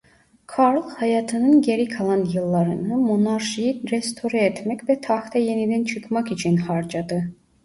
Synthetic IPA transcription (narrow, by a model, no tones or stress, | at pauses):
kʰɑɾlˠhæjɑt̪ʰɯnɯnɟeɾikʰɑlˠɑnjɯlˠːɑɾɯnɯmonɑɾʃijiɾest̪ʰoɾɛet̪ʰmɛcvɛt̪ʰɑxt̪ʰɑjenid̪ænt͡ʃʰɯkʰmɑkit͡ʃʰinhɑɾd͡ʒɑd̪ɯ